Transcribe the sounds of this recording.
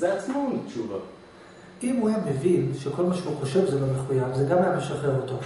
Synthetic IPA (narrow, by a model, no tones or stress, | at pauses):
zeat͡smotʃuva̰ | imhujamevinʃekʰo̞lmaʃeuχoʃe̞vzelameχujavzeɡamajameʃaχeʁoto